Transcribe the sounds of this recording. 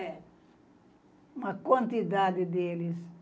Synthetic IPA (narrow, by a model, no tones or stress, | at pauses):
ɛ | mɐkwãnt̪id̪ad̪id̪elis